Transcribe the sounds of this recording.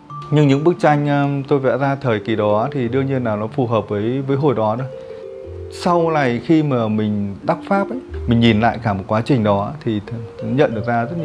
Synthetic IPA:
ɲɨ˧ŋɲɨ̰˧˥ŋɓɨ˦˥k̚t͡ɕa˧jŋ̟ʔəː˧t̪o˧jvɛ̰˧˥zaː˧t̪ʰəː˨˩jki˨˩ɗɔ˨˦t̪ʰi˨˩ɗɨ˧əŋɲi˧ənːaː˨˩wnɔ˨˦fu˨˩ɦəː˨˩p̚vəː˨˦jvəː˨˦jɦo̰˧˩jɗɔ˨˦ɗo˧˩j | sa˧wla˨˩jxi˧maː˨˩mï˨˩ŋ̟ɗ̪a˦˥k͡p̚faː˦˥p̚ʔə̰˧˦jjmï˨˩ŋ̟ɲi˨˩nla̰ː˧˨jkaː˧˩mo˨˩t̚kwaː˨˦t͡ɕï˨˩ŋ̟ɗɔ˨˦t̪ʰi˨˩˦ɲə̰˧˨nɗɨ˨˩k̚zaː˧zə˦˥t̚ɲi˧˨

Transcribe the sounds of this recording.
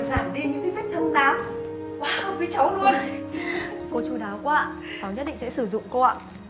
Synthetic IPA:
zaː˧˩mɗi˧ɲɨ̰˧˥ŋkə˨˦jfi˦˥t̚ɗə˧wŋ͡mt̪aː˧˨˩w̚ | kwaː˧˩xə˧wŋ͡mvə˨˦jt͡ɕa˨˦wlu˧˩ən | ko˨˦t͡ɕu˨˧˦ɗaː˨˦wkwaː˧˨t͡ɕa˨˦wɲə˦˥t̚ɗḭ˧˨ŋsɛ̰˧˥sɨ˧˩zʊ̰˧˨ŋ͡mko˧ʔa̰ː˧˨

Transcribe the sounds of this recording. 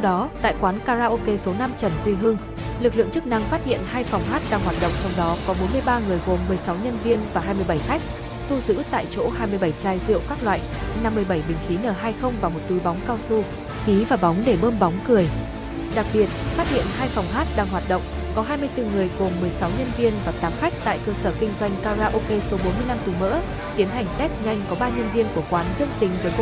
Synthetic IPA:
t̪ʰwɗɔ˨˦t̪a̰ː˧˨jkwaː˨˦nkaː˧zaː˧ʔo˧ke˧so˨˦na˧mt͡ɕə˧˩nzwi˧ɦɨ˧əŋ | lɨ˨˩k̚lɨ̰˧˨əŋt͡ɕɨ˦˥k̚na˧ŋfaː˦˥t̚hḭ˧˨ənhaː˧jfɔ˨˩wŋ͡mɦaː˦˥t̚ɗaː˧ŋhwaː˨˩t̚ɗə̰˧˨ŋ͡mt͡ɕɔ˧wŋ͡mɗɔ˨˦kɔ˨˦ɓo˨˦nmɨ˧əjɓaː˧ŋɨ˨˩əjɣo˨˩mːɨ˨˩əjsa˨˦wɲə˧nvi˧ənvaː˨˩ɦaː˧jmɨ˧əjɓə˧˩jxa˦˥jk̟̚ | t̪ʰu˧zɨ̰˧˥t̪a̰ː˧˨jt͡ɕo̰˧˥haː˧jmɨ˧əjɓə˧˩jt͡ɕaː˧jzḭ˧˨əwkaː˦˥k̚lwa̰ː˧˨j | na˧mːɨ˨˩əjɓə˧˩jɓï˨˩ŋ̟xi˨˦nəː˨˩ɦaː˧jxə˧wŋ͡mvaː˨˩wmo˨˩t̚t̪u˨˦jɓa˨˦wŋ͡mkaː˧wsu˧ | xi˨˦vaː˨˩ɓa˨˦wŋ͡mɗe˧˩ɓəː˧mɓa˨˦wŋ͡mkɨ˨˩əj | ɗa˨˩k̚ɓi˨˩ət̚faː˦˥t̚hḭ˧˨ənɦaː˧jfa˨˩wŋ͡mɦaː˦˥t̚ɗaː˧ŋɦwaː˨˩t̚ɗə̰˧˨wŋ͡m | kɔ˨˦ɦaː˧jmɨ˧əjt̪ɨ˨˩ŋɨ˨˩əjku˨˩mmɨ˨˩əjsa˨˦wɲə˧nvi˧ənvaː˨˩t̪aː˨˦mxa˦˥k̟̚t̪a̰ː˧˨jkəː˧səː˧˩kï˧ŋ̟zwa˧jŋ̟kaː˧zaː˧ʔo˧ke˧so˨˦ɓo˨˦nmɨ˧əjna˧mt̪u˨˩mə̰ː˧˥ | t̪i˨˦ənɦa˨˩ŋ̟t̪ɛ˦˥t̚ŋa˧jŋ̟kɔ˨˦ɓaː˧ɲə˧nvi˧ənku˧˩əkwaː˨˦nzɨ˧əŋt̪ï˨˦ŋ̟vəː˨˦jk

